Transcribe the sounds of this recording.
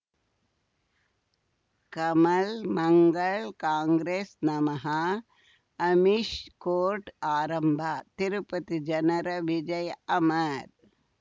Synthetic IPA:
kɐmɐlmɐŋɡɐɭkaːŋɡɾeːsnɐmɐɦɐ | ɐmiʃkoːɾʈaːɾɐmbʱat̪iɾupɐt̪id͡ʒɐnɐɾɐʋid͡ʒɐjɐmɐɾ

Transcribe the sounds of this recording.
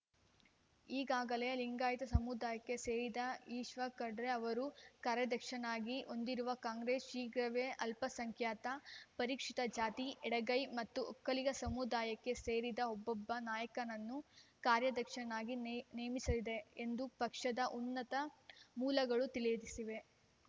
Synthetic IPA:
iːɡaːɡɐle̞liŋɡaːjt̪ɐsɐmud̪aːjɐkːe̞se̞ːɾid̪ɐiːʃʋɐkɐɖɾeɐʋɐɾukaːɾjɐd̪ʱɐkʂɐɳaːɡiʔond̪iɾuʋɐkaːŋɡɾeːsʃiːɡɾɐʋeʔɐ̰lpɐsɐŋkʰjaːt̪ɐpɐɾiːkʂit̪ɐd͡ʒaːt̪iɛɽɐɡɐjmɐt̪ːuɔkːɐliɡɐsɐmud̪aːjɐkːe̞se̞ːɾid̪ɐɔbːɔbːɐnaːjɐkɐnɐnːukaːɾjɐd̪ɐkʂɐɳaːɡinneːmisɐlid̪e̞end̪upɐkʂɐd̪ɐʔunːɐt̪ɐmuːlɐɡɐɭut̪iled̪isiʋe̞

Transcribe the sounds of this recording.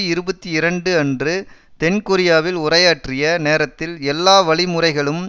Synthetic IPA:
ɪɾɯbɐt̪ːiɪɾɐɳɖɯɐndrɯt̪ɛnkʊɾɪjaːʋɪlʊrɐjaːʈrɪjɐneːɾɐt̪ːɪlɛlːaːʋɐɭɪmɯrɐɪɣɐɭɯm

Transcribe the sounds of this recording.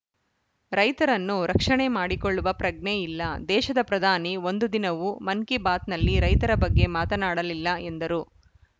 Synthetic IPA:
ɾɐjt̪ɐɾɐnːuɾɐkʂɐɳe̞maːɽikoɭːuʋɐpɾɐɡɳeilːɐd̪ɛːʃɐd̪ɐpɾɐd̪ʱaːnio̞nd̪ud̪inɐʋumɐnkibaːt̪nɐlːiɾɐjt̪ɐɾɐbɐɡːe̞maːt̪ɐnaːɽɐlilːɐe̞nd̪ɐɾu

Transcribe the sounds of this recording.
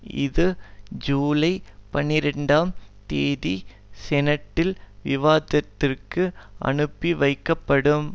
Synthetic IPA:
ɪ̰ðɯd͡ʒuːlɐɪpɐnɪɾɐɳɖaːmt̪eːði | sɛnɐʈːɪlʋɪʋaːðɐt̪ːɪrkɯʔɐ̰nɯpːiʋɐɪkːɐpːɐɽɯm

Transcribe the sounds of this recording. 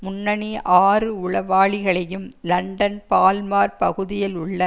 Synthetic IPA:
mʊnːɐniʔaːrɯʊɭɐʋaːɭɪɣɐɭɐjɯmlɐɳɖɐnpaːlmaːɾpɐɣɯðɪjɐlʊɭːɐ

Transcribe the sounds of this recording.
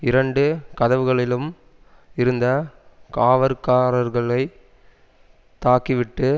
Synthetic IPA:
ɪɾɐɳɖɯkɐðɐʋɯɣɐɭɪlɯm | ɪɾɯnd̪ɐkaːʋɐɾkaːɾɐɾɣɐɭɐɪ | t̪aːkːiʋɪʈːɯ

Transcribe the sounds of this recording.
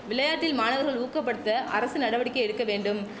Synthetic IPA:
ʋɪɭɐjaːʈːɪlmaːnɐʋɐɾɣɐɭuːkːɐpːɐɽɯt̪ːɐʔɐɾɐsɯnɐɽɐʋɐɽɪkːɐɛɽɯkːɐʋeːɳɖɯm

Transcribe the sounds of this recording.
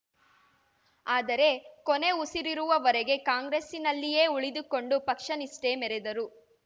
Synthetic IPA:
aːd̪ɐɾe̞kone̞usiɾiɾuʋɐʋɐɾeɡe̞kaːŋɡɾesinɐlːije̞ːuɭid̪uko̞ɳɖupɐkʂɐnisʈeːmɛɾed̪ɐɾu

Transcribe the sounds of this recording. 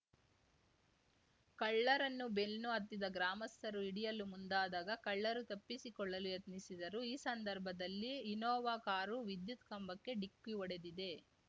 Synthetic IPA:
kɐɭːɐɾɐnːubelnuɐt̪ːid̪ɐɡɾaːmɐst̪ɐɾuiɽijɐlːumund̪aːd̪aːɡɐkɐɭːɐɾut̪ɐpːisikɔɭːɐlujɐt̪nisid̪ɐɾuiːsɐnd̪ɐɾbʱɐd̪ɐlːiːnɔːʋaːkaːɾuʋid̪jut̪kɐmbʱɐkːe̞ɖikʋiʋɔɽe̞d̪id̪e̞

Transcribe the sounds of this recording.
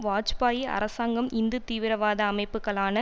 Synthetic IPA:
ʋaːt͡ʃpaːjiɐ̰ɾɐsaːŋɡɐmɪnd̪ɯt̪iːʋɪɾɐʋaːðɐːmɐɪpːɯɣɐɭaːnɐ

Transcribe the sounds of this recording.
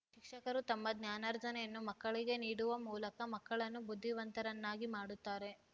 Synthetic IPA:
ʃikʂɐkɐɾut̪ɐmːɐd̪njaːnɐɾd͡ʒ̪ɐnɛjɐnːumɐkːɐɭiɡe̞niːɽuʋɐmuːlɐkɐmɐkːɐɭɐnːubud̪ʱːiʋɐnt̪ɐɾɐnːaːɡimaːɽut̪ːaːɾe̞

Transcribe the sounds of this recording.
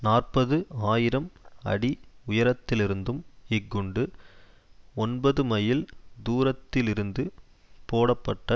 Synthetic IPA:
naːrpɐðɯaːjɪɾɐmɐ̰ɽiʊjɐɾɐt̪ːɪlɪɾɯnd̪ɯmɛɡːʊɳɖɯ | ɔnbɐðɯmɐjɪld̪uːɾɐt̪ːɪlɪɾɯnd̪ɯ | poːɽɐpːɐʈːɐ

